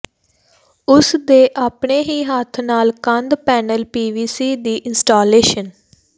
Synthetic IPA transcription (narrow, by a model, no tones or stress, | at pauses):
ʊsd̪eːʔaːpɳeːɦiːɦat̪ʰnaːlkənd̪pɛːnəlpiːʋiːsiːd̪iːʔɪnsʈaːleːʃən